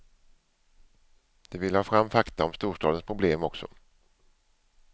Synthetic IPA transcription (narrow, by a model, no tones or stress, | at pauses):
d̪̥ɛvɪlːhɑːfɾamːfakt̪aɔmst̪uːʂʈɑ̰ːd̪ənspʰɾʊbleːmɔksɔ̰